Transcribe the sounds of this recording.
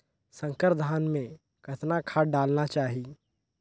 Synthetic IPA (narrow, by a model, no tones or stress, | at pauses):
sə̃ŋkəɾd̪ʱaːnmẽ | kʰət̪nakʰaːɖaːlnat͡ʃaːɦi